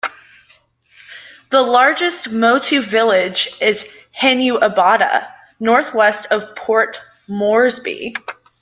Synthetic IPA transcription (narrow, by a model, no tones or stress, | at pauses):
ðəlɑɹd͡ʒɨst̚moʊɾʉvɪlˠɪd͡ʒɪz̥ | hɛ̃njʉʔəbɑɾə̰ | nɔɹθwɛstʌv̥pʰɔɹt | mɔɹzbḭ